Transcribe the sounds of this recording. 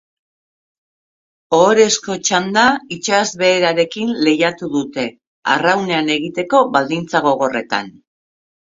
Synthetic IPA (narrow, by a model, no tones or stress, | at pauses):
oːɾe̞sko̞t͡ʃand̪ait͡ʃazβe̞ːɾaɾe̞kinle̞jat̪uðut̪e̞ | a̰rawne̞ane̞ɣit̪e̞ko̞βald̪int͡saɣ̞o̞ɣ̞o̞re̞t̪a̰n